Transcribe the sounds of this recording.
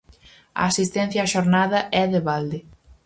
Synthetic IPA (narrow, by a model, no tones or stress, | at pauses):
ɐ̰asist̪ɛ̃n̟θjaːʃoɾnaðɐʔɛðeβald̪ɪ